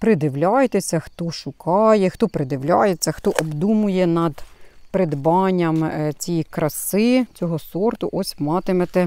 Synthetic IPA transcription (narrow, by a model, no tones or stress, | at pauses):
pɾɪd̪ɪʋlʲɑjet̪esʲɐxt̪ɔʃʊkʰɑjɛxt̪ɔpɾɪd̪ɪʋlʲɑ̰jet͡sʲːɐxt̪ɔʔɔbd̪umʊjɛnɐd̪pɾed̪bɑnʲːɐmt͡sʲikɾɐsɪt͡sʲɔɦɔsɔrt̪ʊʔɔsʲmɑt̪ɪmet̪ɛ